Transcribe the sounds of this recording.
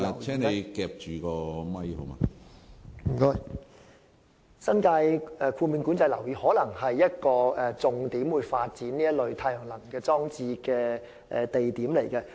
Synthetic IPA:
ɛː˥ne˨˧jkɛː˨˧p̚t͡ʃyː˨˩kɔː˧mɐ˥jho˨˦mɐ̰˨ | m̩˨˩kɔː˥j | sɐ˥nkaː˧jɛ˨˧kʰuː˧mi˨˧nkuː˨˥nt͡sɐ˧jlɐ˨˩wjiː˨˧˥hɔː˨˥lɐ˨˩ŋhɐ˨jːɐ˥t̚kɔː˧ɛ˨t͡sʊ˨ŋt̪iː˨˥mwuː˨˧jfaː˧t̚t͡siː˨˥nliː˥jɐ˥t̚lɵ˨˧ɥt̪ʰaː˧jœː˨˩ŋlɐ˨˩ŋkɛː˧t͡sɔː˥ŋt͡siː˧kɛː˧ | ʔɛ̰˨t̪e˨jt̪iː˨˥mle˨˩jkɛ˧

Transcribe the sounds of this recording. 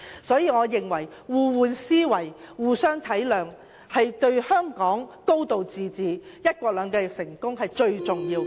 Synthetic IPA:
sɔː˨˥jiː˨˧ŋɔː˨˧jɪ˨˩ŋwɐ˨˩jwuː˨˧wuː˨˧nsiː˥wɐ˨˩jwuː˨sœː˥ŋt̪ʰɐ˨˥jlœː˨ŋ | hɐ˨jt̪ɵ˧ɥhœː˥ŋkɔː˨˥ŋko˥wt̪o˨wt͡siː˨t͡siː˨jɐ˥t̚kʷɔː˧k̚lœː˨˧ŋkɛː˧sɪ˨˩ŋkʊ˥ŋɦɐ˨jt͡ʃɵ˧ɥt͡sʊ˨ŋjiː˧w

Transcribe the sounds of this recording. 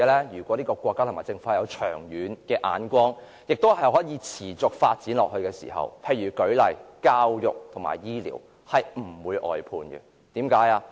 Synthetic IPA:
ɛ˧lɛː˥jyː˨˩kʷɔː˨˥liː˥kɔː˧kʷɔː˧kːaː˥t̪ʰmːaː˨˩t͡sɪ˧ŋfaː˧jɐ˨˧wt͡ʃʰœ̰ː˨˩ŋjyː˨˥nkɛː˧ʔa̰ː˨˥nkʷɔː˥ŋ | jɪ˨k̚t̪whɐ˨jɦɔː˨˥jiː˨˧t͡sʰiː˨˩t͡sʊ˨k̚faː˧t̚t͡siː˨˥nlɔː˨k̚ɦɵ˧ɥkɛː˧sḭː˨˩hɐ̰˨˩wpʰe˧jɥyː˨˩kɵ˨˥ɥlɐ˨jkaː˥wjʊ˨k̚t̪ʰʊ˨˩ŋma̰ː˨jjiː˥lḭː˨˩w | hɐ˨jm̩˨˩wuː˨˧˥jʔɔ̰ː˨jpʰuː˧nɡɛ̰˧ | t̪iː˨˥mkaː˨˥jaː˧

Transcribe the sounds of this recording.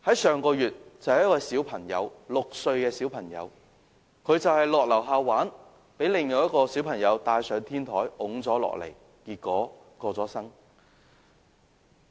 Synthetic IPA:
hɐ˨˥jsœː˨ŋkɔː˧jyː˨t̚t͡sɐ˨whjkwɐː˧jsiː˨˥wpʰɐ˨˩ŋjɐ̰˨˧wlʊ˨k̚sɵ˧ɥkɛː˧si˨˥wpʰɐ˨˩ŋjɐ̰˨˧w | kʰɵ˨˧ɥt͡sɐ˨whɐ˨˩jlɔː˨k̚lɐ˨˩wɦaː˧wwaː˨˥n | pe˨˥jlɪ˨˩ŋjɐ˨˧wjɐ˥t̚kɔː˧siː˨˥wpʰɐ˨˩ŋjɐ˨˧wt̪aː˨˧jsœː˨˧ŋt̪ʰiː˥nt̪ʰɔː˨˥jʔʊ˨˥ŋt͡sɔː˨˥lɔ̰ː˨k̚lḛ˨˩j | kiː˧t̚kɔː˨˥ | kɔː˧t͡sɔː˨˥sɐ˥ŋ

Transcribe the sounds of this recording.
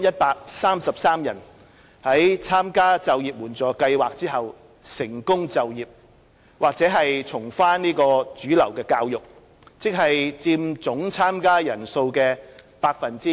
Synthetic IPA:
jɐ˥t̚paː˧k̚saː˥msɐ˨p̚saː˥mjɐ˨˩n | hɐ˨˥jt͡sʰaː˥mkaː˥t͡sɐ˨wjiː˨p̚muː˨˩nt͡sɔː˨˩kɐ˧jwaː˨k̚t͡siː˥ɦɐ˨w | sɪ˨˩ŋkʊ˥ŋt͡sɐ˨wjiː˨p̚ | waː˨k̚t͡sɛː˨˥ɦɐ˨jt͡sʰʊ˨˩ŋfaː˥nniː˥kɔː˧t͡syː˨˥lɐ˨˩wkɛː˧kaː˧wjʊ˨k̚ | t͡sɪ˥k̚ɦɐ˨jt͡siː˧mt͡sʊ˨˥ŋt͡sʰaː˥mkaː˥jɐ˨˩nso˧wkɛː˧paː˧k̚fɐ˨nt͡siː˥

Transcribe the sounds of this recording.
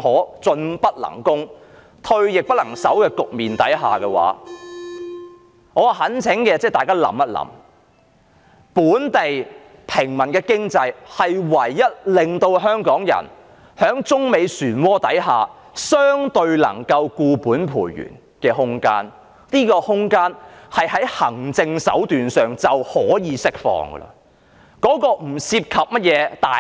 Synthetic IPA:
ɦɔː˨˥t͡sɵ˧npɐ˥t̚lɐ̰˨˩ŋkʊ˥ŋ | t̪ʰɵ˧ɥjɪ˨k̚pɐ˥t̚lɐ˨˩ŋsɐ˨˥wkɛː˧kʊ˨k̚miː˨nt̪ɐ˨˥jɦaː˨˩kɛ˧wa̰ː˨˥ | ŋɔː˨˧˨ɦɐ˨˥nt͡sʰɪ˨˥ŋkɛː˧t͡sɛː˥˩t̪aː˨jkaː˥lɐ̰˨˥mɐ˥t̚lɐ̰˨˧˥m | puː˨˥nt̪e˨j | pʰɪ˨˩ŋmɐ˨˩nkɛː˧kɪ˥ŋt͡sɐ˧jhɐ˨jwɐ˨˩jːɐ˥t̚lɪ˨ŋt̪o˧wɦœː˥ŋkɔː˨˥ŋjɐ̰˨˩n | hœː˨˥ŋt͡sʊ˥ŋme˨˧jsyː˨˩nwɔː˥t̪ɐ̰˨˥jɦaː˨ | sœː˥ŋt̪ɵ˧ɥlɐ̰˨˩ŋkɐ˧wkuː˧puː˨˥npʰṵː˨˩jɥy̰ː˨˩n | kɛː˧ɦʊ˥ŋka̰ː˥n | liː˥kɔː˧hʊ˥ŋkaː˥nhɐ˨jhɐ˨˥jhɐ̰˨˩ŋt͡sɪ˧ŋsɐ̰˨˥wt̪yː˨nsœː˨ŋt͡sɐ˨whɔː˨˥jiː˨˧sɪ˥k̚fɔ̰ː˧ŋɡə̰˧lə̰˧ | kɔː˨˥kɔː˧m̩˨˩siː˧p̚kʰɐ˨p̚mɐ˥t̚jɛː˨˧t̪aː˨

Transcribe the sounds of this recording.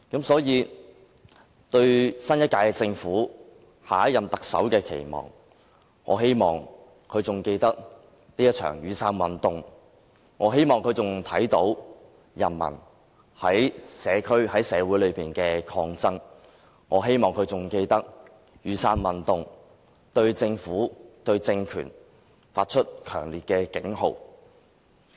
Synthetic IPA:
kɐ˨˥msɔː˨˥jiː˨˧ | t̪ɵ˧ɥsɐ˥njɐ˥t̚kːaː˧jɛ˧t͡sɪ˧ŋfuː˨˥ | haː˨˥jɐ˨mt̪ɐ˨k̚sɐ̰˨˥wkɛː˧kʰe˨˩jmɔ̰ː˨˩ŋː | ɔ̰ː˨˧he˥jmɔː˨ŋ | kʰɵ˨˧ɥt͡sʊ˨ŋke˧jt̪ɐ˥k̚ | liː˥jɐ˥t̚t͡ʃʰœ̰ː˨˩ŋjyː˨˧sʰaː˥nwɐ˨nt̪ʊ˨ŋ | ŋɔː˨˧ɦe˥jmɔː˨ŋkʰɵ˨˧t͡sʊ˨ŋt̪ʰɐ˨˥jt̪o˨˥w | jɐ̰˨˩nmɐ̰˨˩n | hɐ˨˥jsɛː˨˧kʰɵ˥ɥhɐ˨˥jsɛː˨˧wuː˨˥jlɵ˨˧ɥpiː˨nkɛː˧kʰɔː˧ŋt͡sɐ˥ŋ | ŋɔː˨˧ɦe˥jmɔː˨˩ŋkʰɵ˧ɥt͡sʊ˨ŋke˧jt̪ɐ˥k̚ | jyː˨˧saː˧nwɐ˨nt̪ʊ˨ŋ | t̪ɵ˧ɥt͡sɪ˧ŋfuː˨˥t̪ɵ˧ɥt͡sɪ˧ŋkʰy̰ː˨˩n | faː˧t̚t͡ʃʰɵ˥t̚kʰœ̰ː˨˩ŋliː˨t̚kɛː˧kɪ˨˥ŋɦo̰˨˩w

